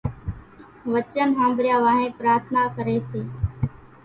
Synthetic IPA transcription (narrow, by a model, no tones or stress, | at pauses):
ʋət͡ʃənɦãːmbɾɪjaːʋaːɦẽːpɾaːɾt̪ʰnaːkəɾeːseː